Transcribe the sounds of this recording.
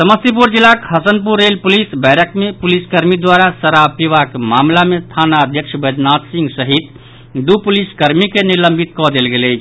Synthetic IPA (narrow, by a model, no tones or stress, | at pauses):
səməst̪ip̬uɾd͡ʒilːakhɦəsənpuɾːelpulisbəɪɾəkmepuliskəɾmid̪waɾasəɾapiʋakmamlamẽst̪ʰanaəd̪ʱjəkʃʰbəd̪nat̪sĩŋɡsəɦit̪ | d̪upuliskəɾmikenilə̃mbʱit̪kɔd̪elɡeləjt͡ʃʰ